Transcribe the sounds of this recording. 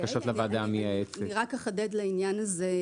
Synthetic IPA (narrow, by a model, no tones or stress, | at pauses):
kaʃot̪lavad̪amiaet͡seiʁakaχad̪ed̪lainjanaze